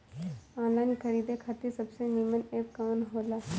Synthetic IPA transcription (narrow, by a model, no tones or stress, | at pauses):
ãːlaːnikʰɐɾiːd̪ekʰat̪esɐbseniːməneːp̚kaːnɦoːlaː